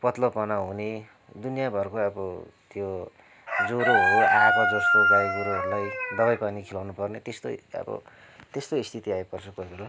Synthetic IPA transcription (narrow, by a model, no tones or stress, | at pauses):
pʌt̪lopʌnaɦune | d̪unijabʱʌrkoʌbʌt̪jo | d͡zoɾoɦoeʔabʌd͡zʌst̪oɡajiɡuɾoɦʌɾulajd̪ʌβʌjkʌnikʰilawnupʌrnet̪est̪oʌ̰bʌ̰ | t̪est̪oist̪ʰit̪iajpʌrt͡sʰʌkoibʱela